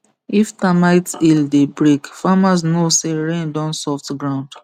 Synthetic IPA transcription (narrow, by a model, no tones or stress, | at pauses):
iftamaɪtildebɹekfamasnoseɹẽndɔ̃nsɔftɡɹãʊ̃nd